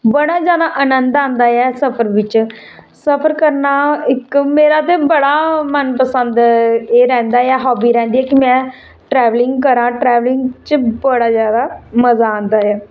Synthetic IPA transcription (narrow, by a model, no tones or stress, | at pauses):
bəɽaːd͡ʒjaːd̪aːʔənənd̪ãːnd̪aːɛːsəpʰəɾʋɪt͡ʃ | səpʰəɾkəɾnaːɪkmeːɾaːt̪̬eːbəɽaːmənpəsənd̪eːɾɛ̃ːnd̪aːɛːɦɔːbiːɾɛ̃ːnd̪iːɛːkimɛ̃ː | ʈɾɛːʋlɪŋɡkəɾãːʈɾɛːʋlɪŋɡt͡ʃbəɽaːzjaːd̪aːməzaːãːnd̪aːɛː